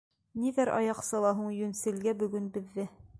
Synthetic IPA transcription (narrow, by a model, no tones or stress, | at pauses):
niðæɾʔɑ̰jɑqsɤ̆lˠɑɦuɴjɵ̆nsɘ̆lɡæbɵ̆ɡɵnbɘ̆ðːɘ